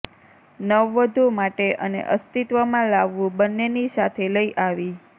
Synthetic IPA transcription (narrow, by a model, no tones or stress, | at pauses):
nəʋːəd̪ʱumaʈeʔə̰nḛʔəst̪it̪ʋəmãlaʋːũbənːenisat̪ʰeləiʔaʋi